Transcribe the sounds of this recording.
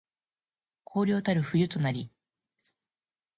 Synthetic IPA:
kʰo̞ːɾʲo̞ːt̪aɾɯ̟ɸɯ̟jɯ̟t̪o̞naɾʲi

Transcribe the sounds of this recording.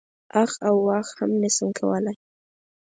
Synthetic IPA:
axawːaxhamnɪsəŋkʰawəlaj

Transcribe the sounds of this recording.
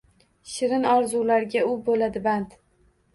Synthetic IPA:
ʃɪɾɪnɒɾzulaɾɡʲaʊbolad̪ɪbant̪

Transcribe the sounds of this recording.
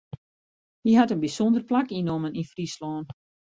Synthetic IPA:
hiɦatənbisondərplakinoməninfrislɔːn

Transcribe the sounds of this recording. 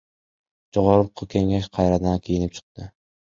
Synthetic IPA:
d͡ʒoʁɒɾʊqʰːʊkʲʰe̞ŋaʃqʰɑjɾad̪ankʲʰejɪnɪp̚t͡ʃʰɨ̥q̚t̪ɪ

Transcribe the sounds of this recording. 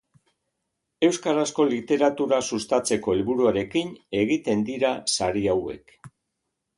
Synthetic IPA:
e̞wskaɾasko̞lit̪e̞ɾat̪uɾasust̪at͡se̞ko̞elβuɾuaɾe̞kine̞ɣit̪e̞nd̪iɾasaɾiawe̞̰k

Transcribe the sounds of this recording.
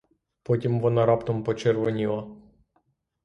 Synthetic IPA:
pɔtʲimʋɔnɐɾɑpt̪ɔmpɔt͡ʃɛɾʋɔnʲilˠɐ

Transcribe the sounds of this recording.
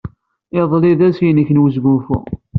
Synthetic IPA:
ɪðˤliðæsjnəçnwəzɡufṵ

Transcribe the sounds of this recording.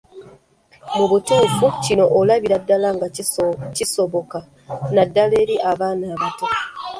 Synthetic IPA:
muβutefucinoʔolaβiɾadːalaŋɡacisoβoka | nadaleɾiʔaβaːnaːβatu

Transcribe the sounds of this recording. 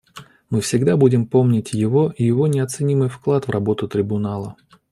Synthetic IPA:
mɨfsʲɪɡd̪abudʲɪmpo̞mnʲɪtʲjɪvoʔijɪvo̞nʲɪɐt̪sɨnʲimɨjfklˠat̪vrɐbo̞t̪ʊt̪ɾʲɪbʊnalˠə

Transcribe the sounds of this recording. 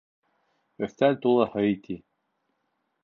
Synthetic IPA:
ɵ̆ft̪ælʲt̪ulˠɤhɤjit̪i

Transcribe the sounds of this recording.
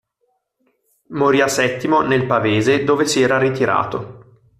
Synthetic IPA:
moɾiːasɛt̪ːimonelpaveːzed̪oːvesiɛːɾarit̪iɾa̰ːt̪o

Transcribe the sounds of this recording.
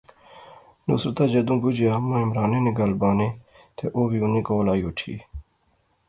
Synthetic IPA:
nṵsɾt̪aːd͡ʒɐd̪ũːbud͡ʑeɐmːãːɪmɾaːneneɡalbaːnẽ | t̪eʔoːʋiunĩːkoːlaːjoːʈʰḭː

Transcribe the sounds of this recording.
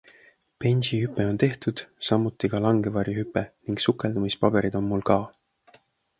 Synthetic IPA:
pe̞nʲsihypːˑe̞o̞nt̪e̞ht̪ud̪̥sɑmːut̪ːˑikɑlɑŋɡe̞vɑɾjihypːˑeniŋɡ̥sukːˑe̞ld̪umispɑb̥e̞ɾid̪̥o̞nmulkɑː

